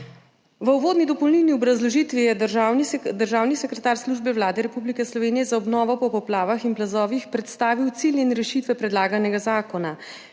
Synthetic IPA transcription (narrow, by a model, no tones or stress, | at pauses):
ʋəuʋoːd̪nid̪ɔpɔwlnilniɔbɾazlɔʒit̪ʋijɛwnisd̪əɾʒaːwnisɛkɾɛt̪aːɾsluːʒbɛwlaːd̪ɛɾɛpublikɛslɔʋeːnijɛzaɔbnɔːʋɔpɔpɔplaːʋaxinplazɔːʋixpɾɛt̪st̪aːʋiwt̪silinɾɛʃiːt̪ʋɛpɾɛd̪laːɡanɛɡazaːkɔna